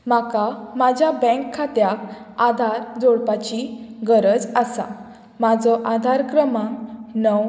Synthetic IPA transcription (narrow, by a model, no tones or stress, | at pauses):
makamad͡ʑʱjabɛ̃ŋkʰːat̪jak | ad̪ʱaɾd͡zoɽpat͡ɕiɡəɾəd͡zasa̰ | mad͡zɔʔad̪ʱaɾkɾəmãŋnɔ